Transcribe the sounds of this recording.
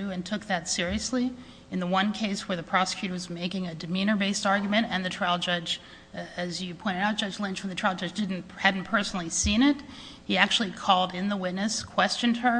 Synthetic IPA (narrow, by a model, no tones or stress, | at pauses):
ʉɨ̃ntʰʊk̚ðɨtsɪɹiɨsli | ɨ̃nðəwʌ̃nkʰeɪswə˞ðɨpʰɹ̥ɑsə̥kʰj̥ʉɾə˞wʌzmeɪkɪ̃ŋɨdɨmĩnə˞beɪstɑɹɡjmɨ̃ɾtɨ̃nðɨtʰɹ̥aɪlˠd͡ʒʌd͡ʒ | ɨzjɨpʰɔ̃ɪ̃ɾ̃ɨɾaʊt̚d̥ʒʌd͡ʒlɪ̃nt͡ʃfɹʌ̃m̩ðɨtʰɹ̥aɪlˠd͡ʒʌd͡ʒdɪdⁿn̩hædⁿn̩pʰɜ˞sn̩l̩ˠisĩñɪt̚ | hiæk̚t͡ʃʉl̩ˠikʰɔlˠdɪ̃nðəwɪtⁿnɨskʰw̥ɛst͡ʃɨ̃nd̚ə˞